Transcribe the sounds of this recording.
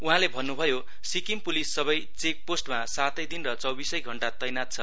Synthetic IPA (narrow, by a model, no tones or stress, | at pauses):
uɦãlebʱʌnːubʱʌjo | sikimpulisːʌβʌjt͡sek̚posʈmasat̪ʌjd̪inrʌt͡sʌwbisʌjɡʱʌɳʈat̪ʌjnat̪̚t͡sʰʌ